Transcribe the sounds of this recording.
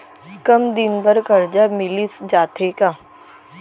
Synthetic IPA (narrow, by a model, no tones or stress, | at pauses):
kɐmd̪ɪnbəɾkɐɾd͡ʒamɪlisd͡ʒaːt̪ʰekaː